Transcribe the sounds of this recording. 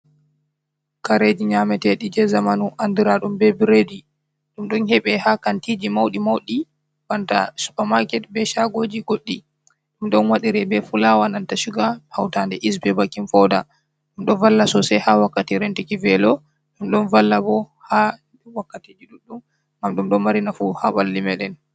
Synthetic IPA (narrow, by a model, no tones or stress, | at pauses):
kaɾed͡ʒiɲamɛtɛɗid͡ʒɛzamanuʔandiɾaɗumbɛbiɾeːdi | ɗumɗɔnhɛɓɛhakantid͡ʒimawɗimawɗi | banta̰su̥pamakɛt̚bɛʃaɡoːd͡ʒiɡoɗːi | ɗumɗɔnwaɗiɾɛbɛfulawanantaʃuɡahawtandɛʔis̬bɛbakːinfɔda | ɗumɗɔnvalːasɔsɛhawakːatiɾɛntɛkivɛlɔ | ɗumɗɔnvalːabɔ | ha | wakːatid͡ʒiɗuɗːum | ɡamɗumɗɔnmaɾinafuhabalːimɛɗɛn